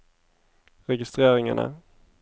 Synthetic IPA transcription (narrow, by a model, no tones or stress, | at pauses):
ɾɛɡɪst̪ɾeːɾɪŋa̰ɳa̰